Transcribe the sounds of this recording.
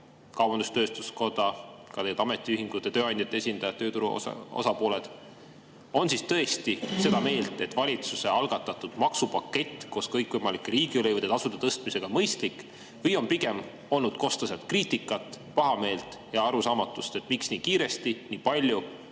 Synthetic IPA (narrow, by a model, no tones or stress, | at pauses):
kɑwbɑnd̪̥ust̪ø̞ːst̪usko̞t̪ɑkɑt̪ejɑt̪ɑme̞t̪ːˑiyɦhiŋɡ̥ut̪ˑːeɑt̪øːɑnʲd̪ʲjɑt̪ːˑeesʲind̪̥ɑjɑt̪t̪ːøːt̪uɾuo̰o̰sɑpo̞ːle̞d̪̥ | o̞nsist̪ɤ̞e̞st̪ise̞d̪ɑme̞ːlt̪ːˑe̞t̪ːvɑlʲit̪suse̞ɑlɡ̥ɑt̪ːˑɑt̪ːˑud̪̥mɑksupɑkːe̞t̪ʲːˑko̞ːskɤjkːvɤjmɑlikːˑeɾiːɡ̥iolevəd̪ed̪ɑsud̪et̪ɤst̪mise̞ɡ̥ɑmɤjst̪lik | vɤjo̞npiɡe̞m | o̞lnud̪̥̚ko̞st̪ɑs̬et̪̚kriːt̪ikːˑɑt̪ːˑ | pɑɦɑme̞ːlt̪jɑɑɾusɑːmɑt̪ːˑust̪e̞t̪miksniːkiːɾe̞st̪iniːpɑlʲju